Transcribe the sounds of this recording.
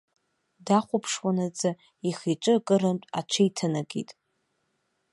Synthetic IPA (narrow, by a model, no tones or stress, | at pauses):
daχʷʊpʰʂwanat͡sʼa | iχit͡ʃʷʼɨkʼɨrɨmtʼa̰t͡ʃʷʰajtʰanaɡḭtʼ